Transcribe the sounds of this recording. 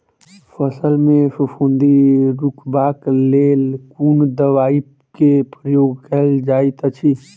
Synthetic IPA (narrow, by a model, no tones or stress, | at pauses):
pʰəsəlmẽfupʰũnd̪iɾukbaːkleːlkuːnd̪əʋaːi | kepɾəjoːɡ̚kəɦld͡ʒaːit̪ət͡ʃʰi